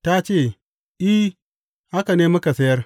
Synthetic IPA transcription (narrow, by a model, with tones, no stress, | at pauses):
ta˦t͡ʃeː˦˨ | ʔi˦ | ha˦ka˨neː˦mʊ˦ka˨sɐ˦jɐ˦r